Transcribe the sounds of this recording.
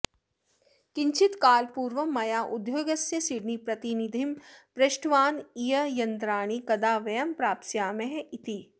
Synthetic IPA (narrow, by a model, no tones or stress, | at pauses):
kɪɲt͡ʃit̪kaːlpuːɾʋɐmɐjaːʔʊd̪joːɡɐsjɐsiɖnipɾɐt̪inid̪ʱimpɾɐʃʈʰʋaːnijɐjɐnt̪ɾaːɽ̃ikɐd̪aːʋɐjɐmpɾaːp̪sjaːmeɦit̪i